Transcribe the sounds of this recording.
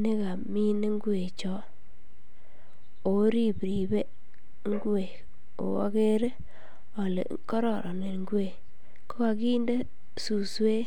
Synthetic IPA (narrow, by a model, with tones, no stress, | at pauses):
ne˦ka˨mi˦ne˦ŋɡu˦e˨t͡ʃɔ˦ | o˨˦ɾi˦˨pɾi˨be˦ | ŋɡu˦e˨ | o̰˨a̰˦ke˦ɾe˦ | o˨lḛ˨ | kɔ˦ɾɔ˨ɾʔɔ˨ne˨ɾŋɡwe˨ | ko˦ka˨ki˦nde˦ | su˨swe˦